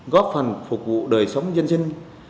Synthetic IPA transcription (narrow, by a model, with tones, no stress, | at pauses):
ɣɔ˦˥p̚fə˨˩nfʊ˨˩k͡p̚vṵ˧˨ɗəː˨˩jsə˨˦wŋ͡mzə˧nsï˧ŋ̟